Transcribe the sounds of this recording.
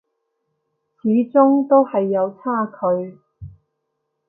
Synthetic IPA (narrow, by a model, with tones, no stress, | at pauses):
t͡sʰiː˨˥t͡sʊ˥ŋt̪o˥whɐ˨jːɐ˨˧wt͡sʰaː˥kʰɵ˨˧ɥ